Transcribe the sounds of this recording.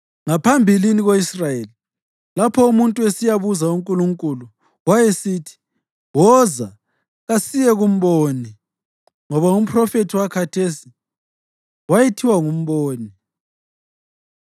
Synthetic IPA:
ŋapʰambʱiliniɣoisrajeli | lapʰɔumuntʼuesijaβuzauŋkʼuluŋkʼulu | wajesitʰi̥ | wɔza | ɣasijɛɣum̩βoːni | ŋɔβaum̩pʰrɔfetʰiwakʰatʰesi | wajetʰiwaŋum̩βɔːni

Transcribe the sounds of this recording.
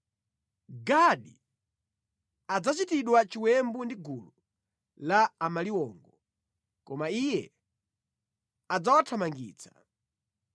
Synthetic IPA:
ɡaɗi | ad͡zat͡ʃitiɗwat͡ʃiwɛmbundiɡulu | laːmaliwɔːŋɡɔ | kɔmaijɛ | ad͡zawatʰamaŋɡḭːt͡sḁ

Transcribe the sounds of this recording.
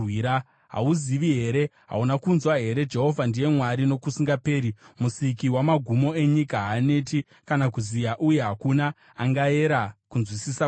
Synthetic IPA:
iɾa | ɦa̰uziʋiɦe̞ɾe̞ɦa̰unakunzwaɦe̞ɾe̞d͡ʒe̞ɦo̞vʱandije̞mwaɾino̞kusiŋɡape̞ːɾimusikiwamaɡʱumo̞e̞ɲikaɦaːne̞ti | kanakuzijaʔuje̞ɦakunaː | ŋɡae̞ɾakunzwisisa

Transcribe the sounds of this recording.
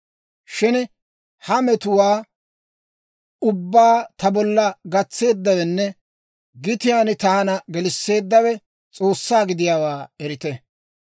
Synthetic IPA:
ʃɪn | hɐmɛt̪ʊwaː | ʊbːaːt̪ɐbɔlːɐɡɐt͡sːe̞ːd̪ːɐwɛnːɛ | ɡɪt̪ɪjaːnɪt̪aːnɐɡɛlɪsːe̞ːd̪ːɐwɛ | t͡sʼo̞ːsːaːɡɪd̪ɪjaːwaːɛɾɪt̪ɛ

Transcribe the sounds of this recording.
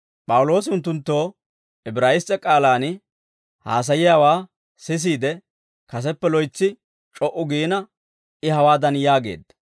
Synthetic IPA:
pʼɐwʊlo̞ːsɪʊnt̪ːʊnt̪ːo̞ː | ɪbɾaːjɪstːɛkʼaːlaːn | ha̰ːs̬ɐjɪjaːwaː | sɪs̬iːd̪ɛ | kɐs̬ɛpːɛlɔjt͡sːɪ | t͡ʃʼɔʔʊɡiːnɐ | ɪhɐwaːd̪ɐnjaːɡe̞̰ːd̪ːɐ

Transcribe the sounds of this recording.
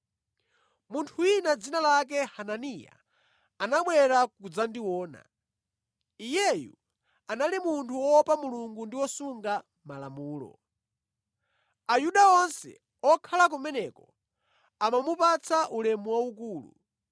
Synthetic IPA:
muntʰuwinad͡zinalak̬ɛhananija̰ː | naɓwɛɾakud͡zandiwɔːna̰ | ijɛjṵ | analimuntʰuwɔpamuluŋɡundiwɔsuŋɡa | mala̰muːlɔ̰ | ajuɗaɔnsɛ̰ | ɔkʰalak̬umɛnɛkɔ | amamupat͡sʰaʔulɛmuwaukuːlṵ

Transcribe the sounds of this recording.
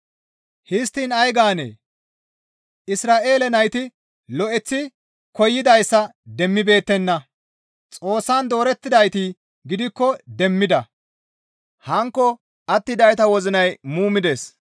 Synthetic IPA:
hɪst̪ːiːnɐjɡaːnḛː | ʔɪsɾaːʔe̞ːlɛnɐjt̪ɪ | lɔʔɛt͡sːɪ | kɔjːɪd̪ɐjsːɐd̪ɛmːɪbe̞ːt̪ːɛnːɐ | t͡sʼo̞ːsːaːnd̪o̞ːɾɛt̪ːɪd̪ɐjt̪iː | ɡɪd̪ɪkːɔd̪ɛmːɪd̪ɐ | hɐŋkːɔ | ʔɐt̪ːɪd̪ɐjt̪ɐwɔzɪnɐjmuːmɪd̪eːs

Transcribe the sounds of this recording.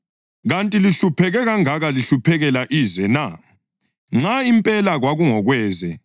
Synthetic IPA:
ɣantʼiliɬupʰɛɣɛɣaŋaɣaliɬupʰɛɣɛlaʔiːzɛna | ŋ͡ǁaimpʼɛlaɣwaɣuŋɔɣwɛːzɛ

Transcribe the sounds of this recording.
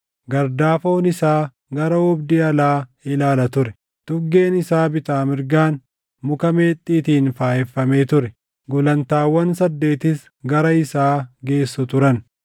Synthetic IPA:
ɡɐɾd̪aːfo̞ːnɪsaː | ɡɐɾɐɔbd̪ɪɐlaːɪlaːlɐt̪ʊɾɛ | t̪ʊɡe̞ːnɪsaːbɪt̪aːmɪɾɡaːn | mʊkɐme̞ːt̪ʼːiːt̪iːnfaːʔɛfːɐme̞ːt̪ʊɾɛ | ɡʊlɐnt̪aːwːɐnsɐd̪ːe̞ːt̪ɪs | ɡɐɾɐɪsaːɡe̞ːsːʊt̪ʊɾɐn

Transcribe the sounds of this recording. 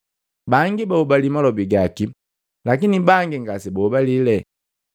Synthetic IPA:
baŋɡibaubalimalɔbiɡaki | lakinibaŋɡiŋɡasɛbaubalilɛ

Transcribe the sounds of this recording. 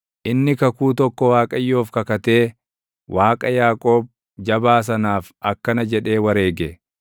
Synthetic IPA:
ʔɪnːɪkɐkuːt̪̬ɔkːɔwaːkʼɐjːoːfkɐkɐt̪e̞ː | wʔaːkʼɐjaːkʼo̞ːb̚ | d͡ʒɐbaːs̬ɐnaːf | ɐkːɐnɐd͡ʒɛᶑe̞ːwɐɾe̞ːɡɛ

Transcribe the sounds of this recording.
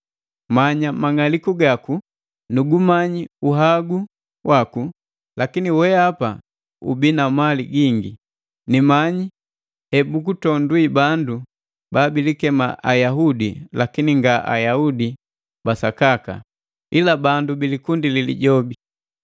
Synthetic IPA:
maɲamaŋalikuɡaku | nuɡumaɲiuɦaɡu | waku | lakiniwɛapa | ṵbinamaliɡiŋɡi | nimaɲi | hɛbuk̬utɔnduwibandu | baːbilikɛma̰ʔajaɦudḭlakiniŋɡaʔa̰jaudi | basakaka̰ | ilabandubilikundililḭɟɔbi

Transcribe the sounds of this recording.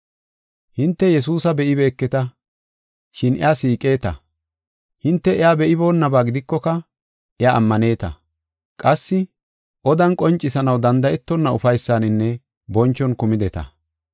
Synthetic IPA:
hɪnt̪ːɛjɛs̬uːsɐbɛʔɪbe̞ːkːɛt̪ɐ | ʃɪnɪ̰aːsiːkʼe̞ːt̪ɐ | hɪnt̪ːɛʔɛaːbɛʔɪbo̞ːnːɐbaːɡɪd̪ɪkːɔkɐ | ʔɛa̰ːmːɐne̞ːt̪ɐ̰ | kʼɐsːɪ | ʔɔd̪ɐnkʼɔnt͡ʃʼːɪsɐnɐwd̪ɐnd̪ɐʔɛt̪ːɔnːɐʊfɐjsːaːnɪnːɛ | bɔnt͡ʃːɔnkʊmɪd̪ɛt̪ɐ̰

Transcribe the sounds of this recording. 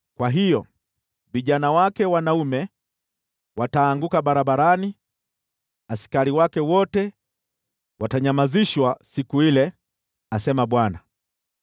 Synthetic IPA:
kwaɦijɔ | viʄanawakɛwanaumɛ | wataːŋɡukaɓaɾaɓaɾani | asi̥kaɾiwakɛwɔtɛ | wataɲamaziʃwasikuilɛ | asɛmaɓwana

